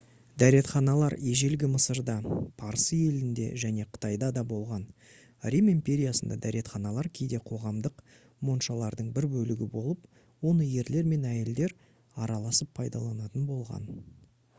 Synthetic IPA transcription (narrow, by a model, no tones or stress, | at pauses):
d̪æɾe̞t̪χɑnɑlˠɑɾeʒe̞lɡʲɪməsəɾd̪ɑpʰɑɾəsəje̞lɪnd̪e̞ʒæne̞qʰə̥t̪ɑjd̪ɑd̪ɑbo̞lˠʁɑn | rʲimimpʲe̞ɾʲijasənd̪ɑ̰d̪æɾe̞t̪χɑnɑlˠɑɾkʲʰe̞jd̪e̞qʰo̞ʁɑmd̪əq | mo̞nʃɑlˠɑɾd̪əɴbɪɾbɵlɪɡʲɪbo̞lˠəp | wo̞nəje̞ɾle̞ɾme̞næjeld̪e̞ɾ | ɑɾɑlˠɑsəpʰːɑjd̪ɑ̰lˠɑnɑt̪ənbo̞lˠʁɑ̰n